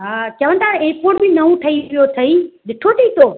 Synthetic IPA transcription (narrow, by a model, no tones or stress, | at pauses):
ɦaːt͡ɕɐʋə̃nt̪ʰaɪ̃ːpoːʈbʱinɐɦũʈʰɐiʋɪjot̪ʰɐiɗɪʈʰot̪ʰiit̪ʰoː